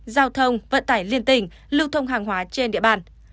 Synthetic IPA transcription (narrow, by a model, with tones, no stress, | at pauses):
zaː˧wt̪ʰə˧wŋ͡mvə̰˧˨nt̪aː˧˩jli˧ənt̪ï˧˩ŋ̟ | lɨ˧wt̪ʰə˧wŋ͡mɦaː˨˩ŋɦwaː˨˦t͡ɕe˧nɗḭ˧˨əɓaː˧˩n